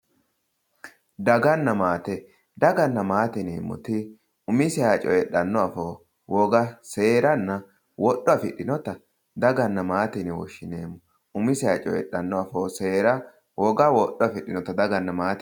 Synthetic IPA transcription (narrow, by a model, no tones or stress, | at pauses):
d̪ɐɡɐnːɐmaːt̪ɛ | d̪ɐɡɐnːɐmaːt̪ɪnḛːmːʊ̰t̪ɪ | ʊmɪsɛat͡ʃʼɔ̰jɛɗɐnːɔɐfoː | wɔɡɐse̞ːɾɐnːɐ | wɔɗːɔɐfɪɗːɪnɔt̪ɐ | d̪ɐɡɐnːɐmaːt̪ɪnɪwɔ̰ʃːɪnḛːmːʊ | ʊmɪsɛat͡ʃʼɔ̰jɛ̰ɗːɐnːɔɐfoːseːɾɐ | wɔɡɐwɔɗːɔɐfɪɗɪnɔt̪ɐd̪ɐɡɐnːɐmaːt̪